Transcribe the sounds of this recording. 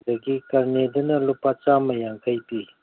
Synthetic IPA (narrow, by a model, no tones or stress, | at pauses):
dɐɡikɐɾnedɐnɐlupat͡ʃamɐjaŋkʰɐjpi